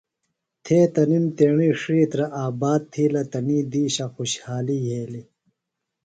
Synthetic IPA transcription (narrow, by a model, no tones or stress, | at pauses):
t̪ʰeːt̪ɐnint̪eːɳiːʂiːt̪ɾɐʔaːbaːd̪̚t̪ʰiːlɐt̪ɐniːd̪iːɕaxuɕhaːliːɦeːli